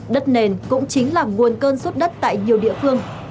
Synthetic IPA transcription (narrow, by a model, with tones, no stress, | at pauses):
ɗə˦˥t̚ne˨˩nkʊ̰˧˥ŋ͡mt͡ɕï˨˦ŋ̟laː˨˩ŋu˨˩ənkəː˧nswə˦˥t̚ɗə˦˥t̚t̪a̰ː˧˨jɲi˨˩əwɗḭ˧˨əfɨ˧əŋ